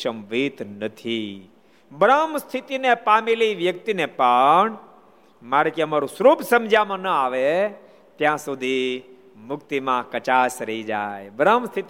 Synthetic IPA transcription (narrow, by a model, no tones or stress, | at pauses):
ʃəmʋit̪nət̪ʰi | bəɾamst̪ʰit̪inepameliʋjək̚t̪inepəɳ | maɾekeəmaɾũsəɾupsəmd͡ʒʱamãnəaʋe | t̪jãsud̪ʱi | mʊkt̪imãkət͡ʃasɾəɦid͡ʒa̰jbəɾamst̪ʰit̪